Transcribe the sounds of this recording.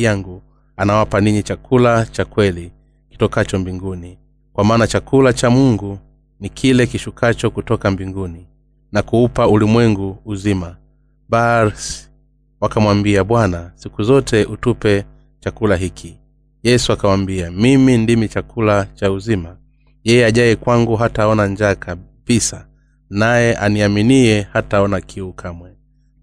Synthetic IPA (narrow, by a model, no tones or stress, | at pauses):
aŋɡu | anawapaniɲit͡ʃakʰulat͡ʃakwɛli | ki̥tɔkat͡ʃɔmbiŋɡuni | kwamaːnat͡ʃakulat͡ʃamuŋɡu | nikʰilɛkiʃukʰat͡ʃɔkutɔkambiŋɡuni | nakuupaulimwɛŋɡuːzima | baɾs | wakamwambiaɓwanasikuzɔtɛʔutupɛ | t͡ʃakulaɦikʰi | jɛsuakawambiamimindimit͡ʃakʰulat͡ʃauzima | jɛjɛaʄaɛkwaŋɡuɦataɔnaɲd͡ʒaːkab̥isa | najɛʔaniaminiɛhataɔnakʰiukʰamwɛ